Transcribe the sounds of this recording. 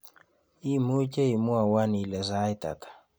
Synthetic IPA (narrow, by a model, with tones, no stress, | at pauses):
i˦mu˦ce˦i˨mu˦a˨wa˦ni˨lɛ˨za˦i˦ta̰˨kḁ˨